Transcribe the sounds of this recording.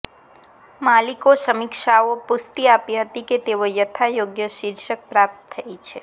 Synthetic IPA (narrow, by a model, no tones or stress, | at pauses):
malikosəmikʃaopʊst̪iapiɦət̪iket̪eʋojət̪ʰajoɡjəʃiɾʃək̚pɾap̚t̪əːəit͡ʃʰe